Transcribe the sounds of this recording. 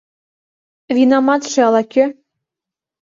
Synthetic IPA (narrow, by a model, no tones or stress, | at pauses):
vinɑmɑt̪ʃĕɑlɑkʲø